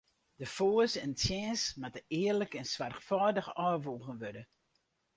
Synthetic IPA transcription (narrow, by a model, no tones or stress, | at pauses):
d̥əfoːəsɛntjɛːnsmatəɪərləkɛnsʋarxfɔːdəxɔːʋuːɣənʋødə